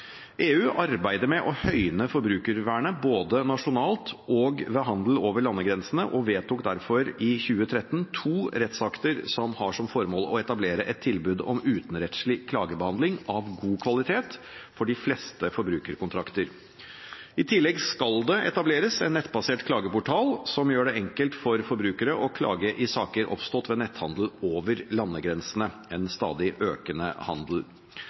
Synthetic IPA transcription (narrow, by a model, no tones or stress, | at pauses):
ʔeːʉːʔɑɾbæɪd̪əmɛʔɔhœʏnəfɔɾbɾʉːkəɾʋæːɳəboːd̪ənɑʂʊnɑːlt̪ɔɡʋəɦɑnd̪l̩oːʋəɭɑnːəɡɾɛnsən̩ə̰ʔɔʋeːt̪uːkd̪æɾfɔɾɪçʉːət̪ʰɾɛt̪ːnt̪ʰuːɾɛt̪sɑkt̪əɾsɔmhɑʂɔmfɔɾmoːlɔɛt̪ɑbleːɾəʔɛt̪ʰːɪlbʉːd̪ɔ̰mʉːt̪n̩ɾɛt̪slɪkʰlɑːɡəbəhɑnd̪lɪŋɑʋɡuːkʰʋɑlɪt̪ʰeːt̪ | fɔɖɪflɛst̪əfɔɾbɾʉːkəɾkʊnt̪ɾɑkt̪əɾ | ɪt̪ʰɪlːɛɡskɑld̪ɛʔɛ̰t̪ɑbleːɾəsɛnːɛt̪ːbɑseːʈkʰlɑːɡəpʊʈʰɑːlsɔmjøːɖɛɛŋkəlt̪fɔɾfɔɾbɾʉːkəɾəʔɔkʰlɑ̰ːɡəʔɪsɑːkəɾʔɔ̰pst̪ɔːt̪ʋɛːnɛt̪hɑnd̪l̩oːʋəɾlɑnːəɡɾɛnsənəɛnst̪ɑ̰ːd̪ɪʔøːkənə̰hɑ̰nd̪l̩